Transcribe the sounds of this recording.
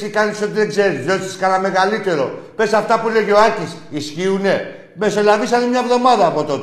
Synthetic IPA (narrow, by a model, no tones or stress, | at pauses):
sikanisot̪iðeɡze̞ɾizðo̞t̪isi̥skanɐme̞ɣalit̪e̞ɾo̞pe̞sɐft̪ɐpule̞ʝoacis | isçiune̞ | me̞so̞lavisɐnemɲɐvðo̞mɐðɐːpo̞t̪o̞t̪e